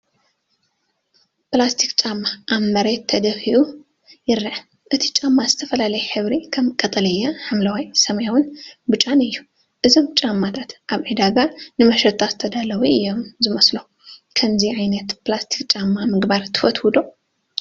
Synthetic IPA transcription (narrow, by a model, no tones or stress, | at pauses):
plast̪ʰikt͡ʃʼamːaʔːβmɐɾet̪ʰːɐd̪ɐfiʔu | jɪɾːɨʕ | ʔɨt̪ʰi̥t͡ʃʼamːazɨt̪ʰɐfɐlalɐjħɨβɾikʰɐmkʼɐt̪ʼɐlɐjːaħɨmlawajsɐmɐjawɨnbɨt͡ʃʼanɨjːu | ʔɨzomt͡ʃʼamːat̪ʰat̪ʔaβʕed̪aɡanɨmɐʃɐt̪ʰʼːat̪ʰɐd̪alɐwuɨjːomzɨmɐslo | kʰɐmziʕajnɐt̪plast̪ʰi̥kt͡ʃʼamːamɨɡbaɾt̪ʰɨ̥fɐt̪wud̪o̞